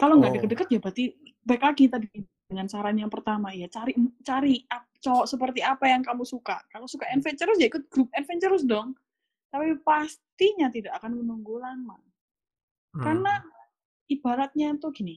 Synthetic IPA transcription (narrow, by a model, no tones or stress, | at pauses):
kaloŋɡaʔdəkət̪̚dəkət̪̚jabat̪ibaɪklaɡit̪adii | dəŋansaɾanjaŋpərt̪amajat͡ʃaɾit͡ʃaɾia | t͡ʃɔsəp̬ərt̪iapajaŋkamusuka̰kalosukaɛnfɛɲt͡ʃəɾʊsjaikʊt̪̚ɡ̥ɾup̚ɛnfɛɲt͡ʃəɾʊs̬dɔŋ | t̪apipast̪iɲat̪idaʔakanmənuŋɡulanma | karna | ib̥aɾat̪̚ɲat̪uɡini